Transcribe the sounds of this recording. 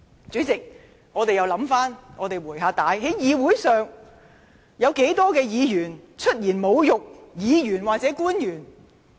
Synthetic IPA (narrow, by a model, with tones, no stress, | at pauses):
t͡sy˨˥t͡sɪ˨k̚ | ŋɔː˨˧t̪e˨jɐ˨˧wlɐ˨˥mfaː˥nŋɔː˨˧t̪e˨jwuː˨˩jɦaː˧t̪aː˨˧˥jɦe˨˥jjiː˨˧wuː˨˥jsœː˨ŋ | jɐ˨˧wke˨˥jt̪ɔː˥kɛː˧jiː˨˧jyː˨˩nt͡ʃʰɵ˥t̚jiː˨˩nmo˨˧wjʊ˨k̚jiː˨˧jyː˨˩nwaː˨k̚t͡sɛː˨˥kuː˥njyː˨˩n